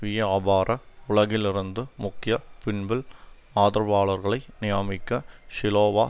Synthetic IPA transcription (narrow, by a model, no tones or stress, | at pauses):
ʋɪjɐaːbaːɾʔɐʊɭɐɣɪlɪɾɯnd̪ɯmʊkːɪjɐpɪɳbɪl | aːðɪɾɐʋaːɭɐɾɣɐɭɐɪnɪjaːmɪkːɐʃɪloːʋaː